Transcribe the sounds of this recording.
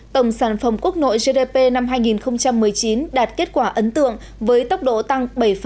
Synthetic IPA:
t̪ə˧˩wŋ͡msaː˧˩nfə˧˩mku˦˥ək̚no̰˧˨jze˧te˧pe˧na˧mɦaː˧jŋi˨˩nxə˧wŋ͡mt͡ɕa˧mːɨ˨˩əjt͡ɕi˨˦nɗaː˨˩t̚ke˦˥t̚kwaː˧˩ʔə˨˦nt̪ɨ̰˧˨əŋ | vəː˨˦jt̪ə˦˥wk͡p̚ɗo̰˧˨t̪a˧ŋɓə˧˩jf

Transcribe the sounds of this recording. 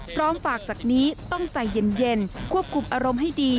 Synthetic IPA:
pʰɾɔː˦˥mfaː˨˩k̚t͡ɕaː˨˩k̚niː˦˥t̪ɔ˥˩ŋt͡ɕa˨˩jːe˧˩nje˧nkkʰu˥˩əp̚kʰu˧mʔaː˧ɾo˧mɦa˥˩jdiː˧

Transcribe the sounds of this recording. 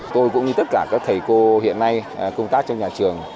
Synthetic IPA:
t̪o˧jkʊ̰˧˥ŋ͡mɲɨ˧t̪ə˦˥t̚kaː˧˩kaː˦˥k̚t̪ʰə˨˩jko˧hḭ˧˨ənːa˧jkə˧wŋ͡mt̪aː˦˥k̚t͡ɕɔ˧ŋ͡mɲaː˨˩t͡ɕɨ˨˩əŋ

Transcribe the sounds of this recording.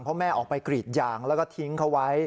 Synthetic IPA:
ŋpʰɔ˦˥mɛː˥˩ʔɔː˨˩k̚pa˧jkɾiː˨˩t̪̚jaː˧ŋlɛː˦˥wkɔː˥˩t̪ʰi˦˥ŋkʰa˦˥wa˦˥j

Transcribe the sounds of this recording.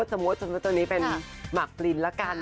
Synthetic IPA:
t̪̚sa˧mu˦˥t̪̚sa˧mu˦˥t̪ːŋniː˦˥pe˧nma˨˩k̚li˧nlɛ˦˥kaː˧n

